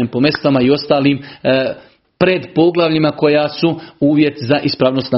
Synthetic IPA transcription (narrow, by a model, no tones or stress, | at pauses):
empo̞me̞st̪amaio̞st̪aːliːm | pɾe̞d̪po̞ɡlˠaʋʎimako̞jaːsuuːʋje̞t̪zaʔispɾaʋnost̪na